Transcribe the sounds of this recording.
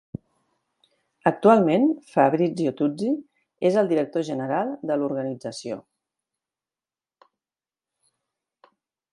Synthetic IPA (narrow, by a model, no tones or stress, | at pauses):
ək̚t̪ualˠmenfəβɾid͡ziot̪ud͡zi | ezəlˠd̪iɾək̚t̪oʒənəɾalˠd̪əluɾɣənid͡zəsio̰